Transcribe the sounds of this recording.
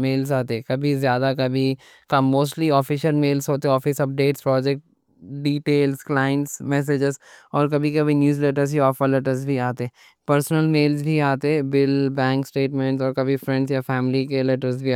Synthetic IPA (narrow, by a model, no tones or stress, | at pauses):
meːlsaːt̪ekɐbʱizjaːd̪akɐbʱi | kɐːoːsʈliɔːfɪʃəlmeːlsɦoːt̪eɔːfɪsɐp̚ɖeːʈspɾɔːd͡ʒɛk̚ʈ | ɖiːʈeːlsklaːɪə̃ɳʈsmɛːs̬ed͡ʒɪzɔːɾkɐbʱikɐbʱinjuːzleːʈəɾziɔːfəɾlɛʈəɾzbʱiaːt̪e | pɐɾsnəlmeːlzbʱiaːt̪ebɪlbɛ̃ːŋksʈeːʈmɛ̃ɳʈsɔːɾkɐbʱifɾɛ̃ɳɖzjafɛːmɪlikelɛʈəɾzbʱi